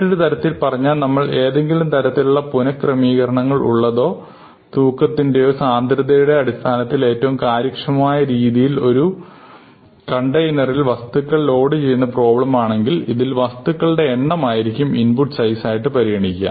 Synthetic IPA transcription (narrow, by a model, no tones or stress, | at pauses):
ʈːuɾet̪ɐɾɐt̪ːilpɐrɐɲːaːlnɐmːɐɭe̞ːðe̞ŋɡilumt̪ɐɾɐt̪ːiluɭːɐpunɐkrɐmiːɣɐɾɐɳɐŋːɐɭʔṵɭːɐðo̞ː | t̪uːkːɐt̪ːinde̞jo̞ːsaːnd̪ɾɐðɐjuɽe̞ɐɽist̪ʰaːnɐt̪ːile̞ːtːɐʋumkaːɾjikʂɐmaːjɐɾiːðijilo̞ɾu | kɐɳʈɐjnɐrilʋɐst̪ukːɐɭlo̞ːɽɨt͡ɕe̞jːunːɐpro̞ːbɭɐmaːɳe̞ŋɡiliðilʋɐst̪ukːɐɭɨɽe̞ːɳːɐmaːjiɾikʲːuminpuʈsɐjsaːjiʈːɨpɐɾijɐɳikʲːa̰m